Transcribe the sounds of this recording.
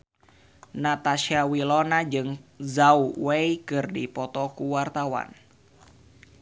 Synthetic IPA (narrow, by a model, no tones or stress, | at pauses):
nat̪aʃiawilɔnad͡ʒɨŋzauweikɨrdipɔt̪ɔkuwart̪awa̰n